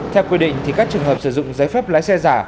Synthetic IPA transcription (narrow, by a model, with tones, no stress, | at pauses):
t̪ʰɛ˧wkwi˧ɗḭ˧˨ŋ̟t̪ʰi˨˩kaː˦˥k̚t͡ɕɨ˨˩əŋɦəː˨˩p̚sɨ˧˩zʊ̰˧˨ŋ͡mzaː˨˦jfɛ˦˥p̚laː˨˦jsɛ˧zaː˧˩